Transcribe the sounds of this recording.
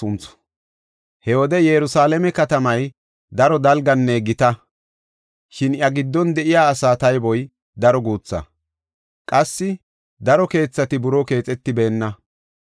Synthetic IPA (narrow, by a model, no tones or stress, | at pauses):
ʊnt͡s | hɛwɔd̪ɛjɛɾʊsaːlɛmɛkɐt̪ɐmɐj | d̪ɐɾɔd̪ɐlɡɐnːeɡɪt̪ɐ | ʃɪnjɐɡɪd̪ːɔnd̪ɛʔɪjaːsaːt̪ɐjbɔj | d̪ɐɾɔɡuːt͡sːɐ̰ | kʼɐsːɪ | d̪ɐɾɔke̞ːt͡sːɐt̪ɪbʊɾɔke̞ːt͡sʼɛt̪ːɪbe̞ːnːɐ